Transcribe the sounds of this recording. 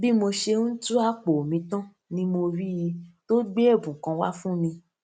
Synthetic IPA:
bi˦mo˧ʃe˧ũ˦tu˦a˦k͡po˨o˨mĩ˧tã˦ | nĩ˧mo˧ɾi˦ji˧to˦ɡ͡be˦e˦˨bũ˨kã˧wa̰˦fũ˦mĩ˧

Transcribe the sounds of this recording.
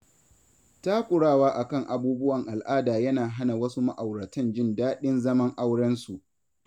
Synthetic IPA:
taː˦kʷʼʊ˨ɽaː˦˨waː˦ʔa˨kɐ˦˨ŋʔa˨buː˦bʊ˦wɐ˨ŋʔa˨lʔaː˦daː˨jɐ˦naː˨ɦa˦na˨wɐ˦su˦ma˦ʔa˨wɽɐ˨tɪ˦nd͡ʒɪ˦ndaː˦ɗɪ˦nzɐ˦mɐ˦ŋʔa˦wɽɐ˦nsu˨ʔ

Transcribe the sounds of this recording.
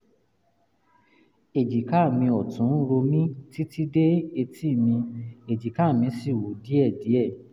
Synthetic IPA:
e˨d͡ʒi˨ka˦˨mĩ˧ɔ˨tũ˨˦ɾo˧mĩ˦ti˦ti˦de˦e˧ti˦˨mĩ˧e˨d͡ʒi˨ka˦˨mĩ˧si˦˨wo˨˦di˨˦ɛ˦˨di˨˦ɛ˦˨

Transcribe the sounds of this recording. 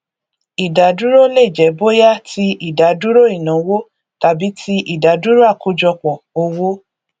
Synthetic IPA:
i˨da˨˦du˦ɾo˦le˦˨d͡ʒɛ˨˦bo˦ja˦tʰi˧ʔi˨da˨˦du˦ɾo˦i˦˨nã˨˦wo˦ | ta˨˦bi˨˦tʰi˧ʔi˦˨da˨˦du˦ɾo˦a˦˨ko˧˦d͡ʒɔ˧k͡pɔ˨o˧wo˦

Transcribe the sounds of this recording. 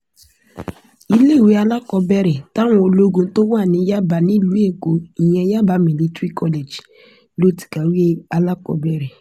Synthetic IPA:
i˧le˦˨we˨˧˦a˧la˦kɔ˧bɛ˦ɾɛ˨ta˦w̃ɔ̃˧o˧lo˦ɡõ˧˦to˦wa˦˨nĩ˨˦ja˦ba˧nĩ˦˨lu˨˦e˦˨ko˨i˨jɛ̃˧˦ja˦ba˨˦mĩ˨li˧tɾi˦kʰɔ˧le˨d͡ʒ | lo˦ti̥˨ka˨wi˦e˦a˧la˦kɔ̰˧bɛ˨ɾɛ˨

